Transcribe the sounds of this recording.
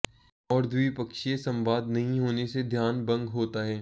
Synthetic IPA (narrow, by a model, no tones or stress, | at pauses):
ɔːɾd̪ʱʊipɐkʃiesɐ̃mʋaːd̪nɐɦĩɦoːnesed̪ʱjaːnbɐ̃ŋɡɦoːt̪aɦɛː